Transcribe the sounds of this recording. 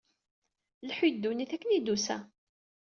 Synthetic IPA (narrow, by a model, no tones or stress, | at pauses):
lħud̪ːuniθækːənid̪usæ̰